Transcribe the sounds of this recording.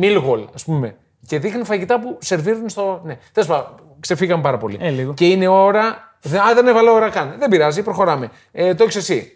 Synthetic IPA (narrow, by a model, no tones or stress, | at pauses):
milɣolɐspume̞ | ce̞ðixnifɐʝit̪ɐpuse̞ɾviɾunst̪o̞ne̞θesu̥pɐ | kse̞fiɣɐmpɐɾɐpo̞lḭce̞ine̞oɾɐ | ðeɐðenevɐleoɾɐkɐnðembiɾɐzipɾo̞xo̞ɾɐme̞ | et̪oeçsesi